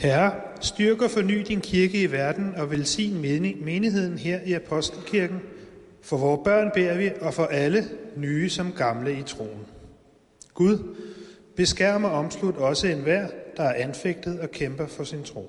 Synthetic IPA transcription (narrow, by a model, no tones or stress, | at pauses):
hæɐ | sd̥yɐɡ̥ɐfɒ̽ny̰ːd̥inkʰiɐɡ̥əiʋæɐd̥n̩ɒ̽ʋelsḭːnme̝ːniɦe̝ð̰ˠn̩ɦeɐ̰iæpʰɒ̽sd̥l̩kʰiɐɡ̥n̩ | fɒ̽ʋɒːb̥ɶɐ̰nb̥e̝ɐ̰ʋiɒ̽fɒ̽ʔælənyːsɒ̽mɡ̥ɑ̈mləit͡sʰʁo̝̰ːn | ɡ̥uð̞ˠb̥e̝sɡ̥æɐ̰mɐɒ̽mslud̥ɒ̽səenʋæɐ̰d̥ɑ̈æɐʔænfeɡ̥̚d̥ð̞̩ˠɒ̽kʰemb̥ɐfɒ̽sint͡sʰʁo̝̰ː